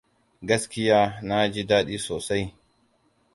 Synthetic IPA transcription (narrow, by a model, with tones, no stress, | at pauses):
ɡɐ˦skʲɪ˦jaː˦na˦d͡ʒi˦daː˦ɗi˦soː˨sa˦j